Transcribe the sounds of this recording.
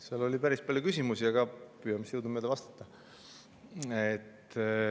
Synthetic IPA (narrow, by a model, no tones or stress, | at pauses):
seɑlo̞lʲipæɾispɑlʲjukysʲimusiɑɡ̥ɑpyːjɑmisjɤwd̪umeld̪eɑst̪ɑ̥t̪ːɑ | et̪ː